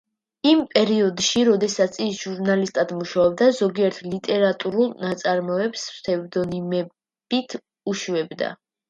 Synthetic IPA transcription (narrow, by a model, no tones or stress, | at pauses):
impʼɛɾiɔd̪ʃiɾɔd̪ɛsat̪sʰisʒuɾnalist̪ʼad̪muʃaɔb̚d̪azɔɡiɛɾt̪ʰlit̪ʼɛɾat̪ʼuɾulˠnat̪sʼaɾmɔɛpsɾt̪ʰɛvd̪ɔnimɛ | b̥it̪ʰ | uʃuɛbd̪a̰